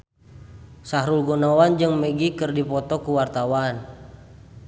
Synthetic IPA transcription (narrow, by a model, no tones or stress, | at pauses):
saɦɾulɡonawand͡ʒɨŋməɡikərdipɔt̪ɔkuwart̪awan